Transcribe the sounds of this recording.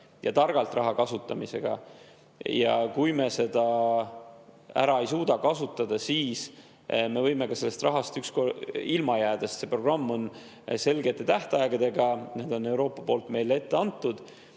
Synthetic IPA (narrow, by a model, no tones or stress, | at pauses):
jʔɑ̰t̪ɑrɡ̥ɑlt̪rɑɦɑkɑsut̪ːˑɑmise̞ɡ̥ɑ̰ | jɑkujme̞se̞d̪̥ɑ | æ̰ɾɑe̞jsuːd̪̥ɑkɑsut̪ːˑɑd̪̥ɑsiːs | me̞vɤjme̞kɑse̞lːest̪rʔɑɦɑst̪ykskoilmɑjæːd̪̥ɑst̪sepro̞ɡ̥rɑmːo̞n | se̞lɡet̪ːˑe̞t̪æht̪eɑeɡ̥ɑd̪e̞ɡɑne̞ːd̪̥o̞nːe̞wɾo̞ːpːˑɑpo̞ːlt̪me̞jle̞t̪ːe̞ɑnt̪ːˑud̪̥